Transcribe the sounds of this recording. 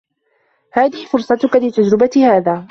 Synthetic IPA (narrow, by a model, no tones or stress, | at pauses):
haːðɪhɪfʊɾsˤɑt̪ʊkalɪt̪ad͡ʒɾɪbat̪ɪhaːðaː